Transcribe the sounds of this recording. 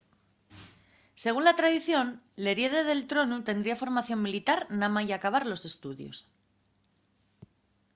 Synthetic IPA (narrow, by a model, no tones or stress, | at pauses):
se̞ɣunlat̪ɾaðiθjo̞nle̞ɾje̞ðeðe̞lt̪ɾo̞nut̪e̞nd̪ɾiafo̞ɾmaθjo̞mmilit̪aɾnamaiakaβ̞aɾlo̞se̞st̪uðjo̞̰s